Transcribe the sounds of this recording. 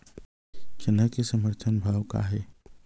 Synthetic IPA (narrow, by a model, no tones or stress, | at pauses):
t͡ʃʰɪnəkesəməɾt̪ʰənbʱawka̰ɦɛ